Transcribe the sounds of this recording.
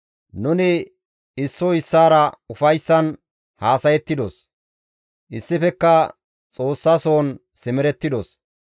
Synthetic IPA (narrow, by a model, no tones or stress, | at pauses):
nʊnɪ | ɪsːoɪsːaːɾɐʊfɐjsːɐn | haːsɐjɛt̪ːɪd̪ɔs | ʔɪsːɪfɛkːɐ | t͡sʼo̞ːsːaso̞ːnsɪmɪɾɛt̪ːɪd̪ɔs